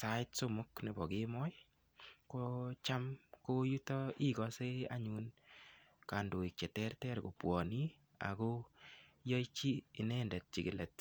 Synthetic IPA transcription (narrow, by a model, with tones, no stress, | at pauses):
sa˦ɪ˦tso˦mʊ˦kne˨bɔ˨ɡemɔ˦j | kot͡ʃa˦mko˦ju˦tɔi˦ɡɔ˦se˦a̰˦ɲun | ka˨ndo˨i˨k̚t͡ʃɛ˨tɛ˦rtɛ˦ɾɡo˨pwɔ˨ni˦ | a̰˨ko˦jɔ˦it͡ʃiː˦˨nɛ˦ndɛ˨t̚t͡ʃɪ˨ɡɪ˨lɛ˨t̚